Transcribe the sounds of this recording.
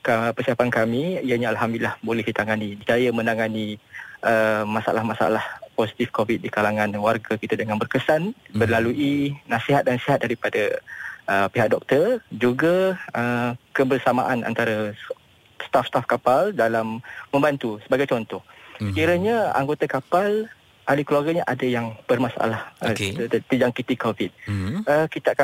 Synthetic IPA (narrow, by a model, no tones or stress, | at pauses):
kapərsiapankamiijaɲaalɦamdulilahbolɛhkit̪aŋanid͡ʒd͡ʒajəmə̃naŋaniʔəmasa̰lahmasa̰lahposi̥t̪ifkovit̪̚dikalaŋãnwarɡakit̪adəŋanbərkəsanbərlaluʔinasiɦat̪̚dansiɦat̪̚daɾipadaʔəpiɦak̚dɔk̚t̪ərd͡ʒuɡaəkəbərsama̰ʔana̰nt̪aɾa | st̪afst̪afkapaldalamːə̃mbant̪usəbaɡajt͡ʃɔnt̪ɔhsə̥kiɾaɲaa̰ŋɡot̪akapal | ʔalikluarɡaɲaʔadajaŋb̥ərmasaʔa̰lah | t̪əd͡ʒaŋkit̪ikovit̪̚əkit̪aaka